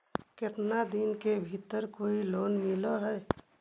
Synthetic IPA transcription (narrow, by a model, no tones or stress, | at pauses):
keʈnad̪inkebʱit̪əɾkoilonmiləɦəj